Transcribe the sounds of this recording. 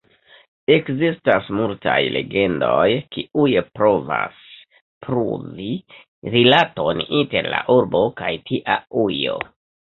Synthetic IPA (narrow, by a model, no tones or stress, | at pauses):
e̞kzistasmultajle̞̰ɡe̞ndo̞jkiujepɾo̞va̰s | pɾṵvi | ɾilato̞ninte̞ɾlaʔuɾbo̞kajtʰiʔaujo̞̰